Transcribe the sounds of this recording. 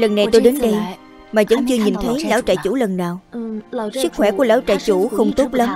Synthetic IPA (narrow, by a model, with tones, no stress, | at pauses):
lə˨˩nːa˨˩jt̪o˧jɗe˨˦nɗə˧j | maː˨˩zə̰˧˥ŋt͡ɕɨ˧əɲi˨˩nt̪ʰə˨˦jla̰ː˧˥wt͡ɕa̰ː˧˨jt͡ɕu˧˩lə˨˩nːaː˨˩w | sɨ˦˥k̚xwɛ˧˩ku˧˩əlaː˧˥wt͡ɕa̰ː˧˨jt͡ɕu˧˩xə˧wŋ͡mt̪o˦˥t̚lə˨˦m